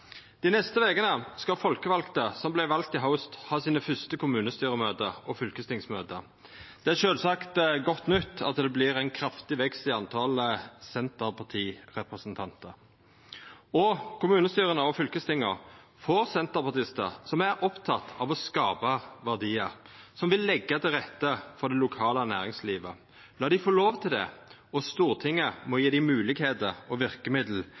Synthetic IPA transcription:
d̪̥ɪnɛst̪əʋeɡənəskɑfɔlkəʋɑlkt̪əsɔmblæɪʋɑlk̚t̪ɪɦaʊst̪hɑːsiːnəfœst̪əkʰʊmʉːnəst̪yːʁəmøːd̪əʔɔfʏlkəst̪ɪŋsmøːd̪ə | d̪̥ɛæʂøːlsɑkt̪ɡɔt̪ːnʏt̪ːɑ̰t̪d̪ɛblɪɾæɪnkʰɾɑft̪ɪʋɛkst̪ɪɑnt̪ʰɑləsɛnt̪əʁpʰɑt̪ʰiːʁɛpʁəsənt̪ʰɑnt̪əɾ | ɔkʰʊmʉːnəst̪yːʁənəɔfʏlkəst̪ɪŋːəʁ | foɾsɛnt̪əʁpɑt̪ɪst̪ə̰ʁsɔmæɾʔɔpt̪ʰɑt̪ʰːɑʋɔskɑːpɑʋæʁd̪iːəsɔmʋɪlːɛɡːət̪ʰɪlʁɛt̪ːəfɔd̪ɛlʊkʰɑːlənæːʁɪŋsliːʋə | lɑːd̪ɪfoːloːʋt̪ʰɪld̪ɛ̰ | ɔst̪uːʁt̪ʰɪŋːəmɔjiːd̪ɪmʉːlɪɡheːd̪əʁɔʋɪʁkəmɪd̪l̩

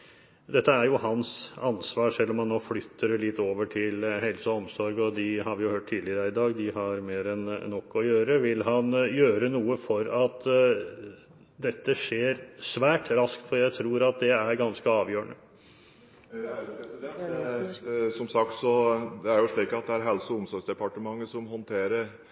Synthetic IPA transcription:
d̪ɛt̪ːəæɾjʊhɑnsɑnsʋɑːʂɛlːɔmhɑnːoːflʏt̪ʰːəɾlɪt̪ːoːʋəʈʰɪlhɛlsəɔmsɔɾɡɔd̪ɪhɑɾʋɪjʊhøːʈ̚t̪ʰiːd̪ɪəɾəɪd̪ɑːɡd̪ɪɦɑɾmeːɾɛnnɔkːɔjøːɾəʋɪlɦɑnjøːɾənuːəfɔɾɑt̪ | d̪ɛt̪ːəʂeːɾsʋæːʈɾɑskt̪fɔɾjæɪt̪ʰɾuːɾɑt̪̚d̪ɛæɾɡɑnskəɑːʋjøːəɳə | sɔmsɑkt̪sɔd̪ɛæɾjʊʂɭiːkɑt̪̚d̪ɛæɾɦɛlsɔʊmsɔɾɡsd̪ɛpɑʈəmɑŋːəsɔmhɔnt̪ʰeːɾəɾ

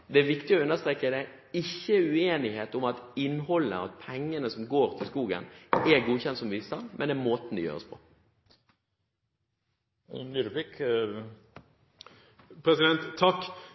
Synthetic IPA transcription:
d̪ɛæʋɪkt̪ɪɔʉnːəst̪ɾeːkəd̪ɛ | ɪçːəʉeːnɪheːt̪ʊmɑt̪ɪnːhɔlːəɑ̰t̪̚pʰɛŋːənəsɔmɡoːɾt̪ʰɪlskuːɡə̰nɛɡuːçɛnt̪sɔmʋiːst̪ɑnd̪mʔɛ̰nɛɾmoːt̪ən̩d̪ɪjø̰ːɾə̰spʰɔ̥̰ | nyːɾpik | pʰɾɛsɪd̪ɛnt̪ʰːɑkː

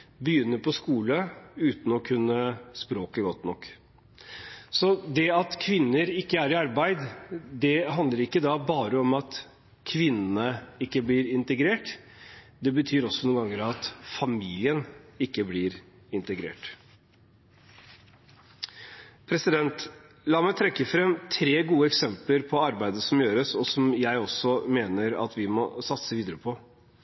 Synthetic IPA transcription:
bəjʏnːəɾpʰɔskuːləʉːt̪n̩ɔkʰʉnːəspɾoːkəɡɔt̪ːnɔkː | sɔd̪ɛɑt̪kʰʋɪnːəɾɪkːəæɾɪɑɾbæɪd̪d̪ɛɦɑnd̪ləɾɪkːəd̪ɑbɑːɾəɔmɑt̪ | kʰʋɪnːənəɪkːəbliːɾɪnt̪əɡɾeːʈ | d̪ɛbət̪ʰyːɾɔsɔnuːŋɡɑŋːəɾɑt̪fɑmiːlɪənɪkːəblɪɾ | ɪnt̪əɡɾḛːʈ | pʰɾɛsɪd̪ɛnt̪ | lɑːmæɪt̪ʰɾɛkːəfɾɛmt̪ʰɾeːɡuːəɛksɛmpləɾpʰɔɑɾbæɪd̪əsɔmjøːɾəsɔsɔmjæɪɔsɔmeːnəɾɑ̰t̪ʰʋɪmɔsɑt̪səʋiːd̪əɾəpʰɔ

